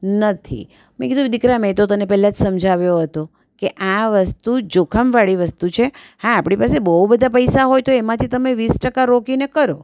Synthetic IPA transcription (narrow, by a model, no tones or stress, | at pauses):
nət̪ʰḭ | mẽkid̪ũd̪ikɾamet̪ot̪ənepɛɦlãd͡ʒsəmd͡ʒʱaʋjoɦət̪o | keʔaʋəst̪ud͡ʒokʰəmʋaɭiʋəst̪ut͡ʃʰehãːpɽ̃ipasebəubəd̪ʱapəjsaɦojt̪oemãt̪ʰit̪əmeʋisʈəkaɾokinekəɾo